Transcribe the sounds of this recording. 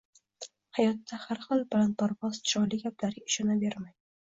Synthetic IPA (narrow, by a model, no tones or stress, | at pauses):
hajɒt̪ːahaɾχɨlˠbɪlan̚pʰaɾvɒz̥t͡ʃʰɒlɪɡʲaplaɾɪʃɒnabe̞ɾmaj